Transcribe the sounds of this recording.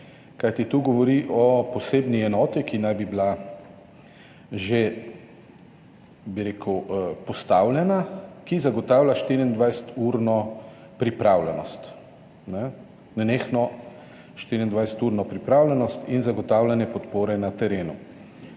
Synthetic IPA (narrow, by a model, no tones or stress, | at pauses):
kajt̪it̪uɡɔʋɔɾiʔɔpɔseːbniɛnɔːt̪ikinajbibla | ʒe | biɾeːkʰwpɔst̪aːwljɛnakizaɡɔt̪aːwlʲaʃt̪iɾiind̪ʋajsə̥t̪uːɾnɔ | pɾipɾaːwlɛnɔst̪ | nɛ | nɛneːxnɔ | ʃt̪iːɾind̪ʋajsə̥t̪uɾnɔpɾipɾaːwlʲɛnɔst̪inzaɡɔt̪aːwlʲɛnɛpɔt̪poːɾɛnat̪ɛɾeːnu